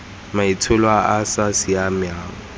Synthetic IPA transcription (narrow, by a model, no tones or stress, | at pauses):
maitʰʊlwaasasɪamjaːŋɔ